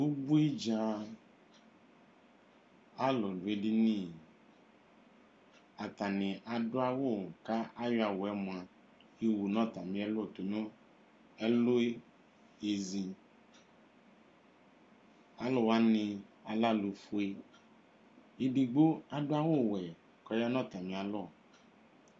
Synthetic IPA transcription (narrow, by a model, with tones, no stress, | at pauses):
u˦bu˦e˦d͡ʒa˦ | a˦lo˨du˨e˦ɖi˦nĩ˦˨ | a˨t̪a˨nĩ˨ʔa˨ɖʊ˦a˦wo˦˨ka˦a˦jo˦a˨wo˨ɛ˦mõ˨a˨ | je˦wu˨nɔ̃˦t̪a˨mĩ˦ɛ˦lo˦˨t̪o˨nõ˦ | ɛ˦lo˦e˦ | e˨zi˨ | a˨lɔ˨wa˦nĩ˧a˨la˦lu˨fo˨e˦ | i˨di˨ɡ͡bo˦a˨dʊ˦a˦wo˦˨wɛ˨ | kɔ˨˦ja˦nɔ̃˦t̪a˨mĩ˨a˨lɔ˦˨